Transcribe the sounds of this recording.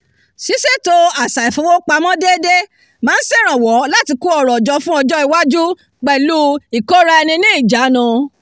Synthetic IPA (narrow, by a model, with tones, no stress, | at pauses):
si˨˦se˦to˦a˨sa˨i˨fo˨˧˦wo˦k͡pa˧mɔ̃˦de˦de˦ | mãː˨˦n̩˦si˦˨ɾ̃ã˨wɔ˨˦la˦ti˧ku˦ɔ˨ɾɔ˨d͡ʒɔ˧fũ˦ɔ˧d͡ʒɔ˦i˨˧wa˦d͡ʒu˦ | k͡pɛ˨lu˦i˨ko˦ɾa˧ɛ˧nĩ˧nĩ˦i˦˨d͡ʒa˨˦nã˧